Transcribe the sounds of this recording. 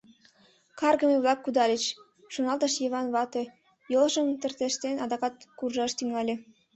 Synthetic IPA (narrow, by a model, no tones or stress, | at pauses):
kɑrɣəmeβlˠɑkːud̪ɑlʲet͡ɕ | ʃonɑlt̪əʃjeβɑnβɑt̪e | jolʒəmt̪ə̆rt̪eʃt̪enɑd̪ɑkɑt̪kurʒɑʃt̪yŋɑlʲe